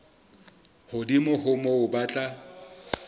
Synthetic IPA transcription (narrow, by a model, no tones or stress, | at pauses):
hʊdimʊhʊmɔʊbat͡ɬʼa